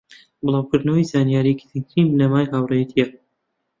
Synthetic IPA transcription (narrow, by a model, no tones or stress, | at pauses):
bɨlˠɑːwkɨɾd̪nɐwajzaːnjaːɾiki̥t̪ʰɨŋkʰɾiːmnɐmaːjɦawrejɛt̪ʰijɛ